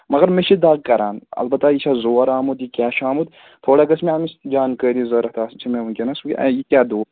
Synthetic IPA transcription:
mɐɡɐɾmeʃʰid̪aːɡ̚kɐɾaːnɐ̰lbɐt̪ːajit͡ʃʰazoːɾaːmut̪jikʲaːʃaːmut̪ | t̪ʰoːɽakɐsmeɐːmisd͡ʒaːnkəːd̪izɐɾɐt̪ʰaːsmt͡ʃʰimẽunkʲenɐskʲḭjikʲjaːd̪oː

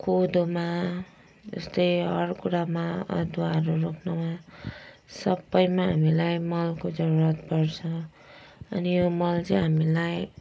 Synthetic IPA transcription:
kod̪oma | d͡zʌ̰st̪ʌjɦʌɾkuɽamaʌ̰d̪uaɾuɾokʰnoma | sʌbːʌjmaɦamilajmʌlkod͡zʌɾuɾʌt̪bʌrt͡sʰʌ̃ | ʌ̰nijomʌlt͡sʌɦamilaj

